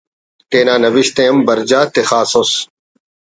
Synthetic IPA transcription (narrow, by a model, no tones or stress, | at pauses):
teːnaːnɐʋiɕt̪eːmbɐɾd͡ʑaːt̪exaːsos